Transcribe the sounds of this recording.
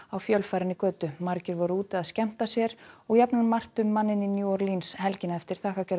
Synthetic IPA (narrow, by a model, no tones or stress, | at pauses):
awfjœlfajɾɪnːɪkœːt̪ʏmaɾcɪɾvɔɾʏuːt̪ɪaðscɛm̥t̪asjɛɾɔɣjapnanmar̥t̪ʏmːanːɪnːɪnjuːɔɾlinshɛlcɪnaɛft̪ɪɾ̥θʰaːhkacœɾ